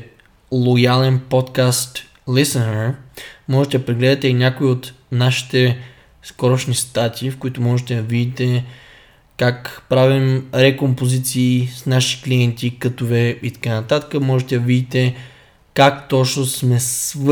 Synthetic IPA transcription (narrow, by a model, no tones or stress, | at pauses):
lˠojalɛnpɔt̪kast̪ | lisɛnəɾmɔʒɛt̪ɛd̪ɐpɾɛɡlɛd̪ɐt̪ɛinʲakoiot̪naʃi̥t̪ɛ | skɔɾoʃnist̪at̪ʰʲiːfkoit̪ʊmɔʒɛt̪ɛd̪ɐvid̪it̪ɛ | kakpɾavimɾɛkompozit̪siːsnaʃi̥kliɛnt̪ʲikət̪ovɛit̪ɐ̥kanɐt̪at̪ə̥kəmɔʒɛt̪ɛd̪ɐvid̪it̪ɛ | kakt̪ɔt͡ʃnosmɛsv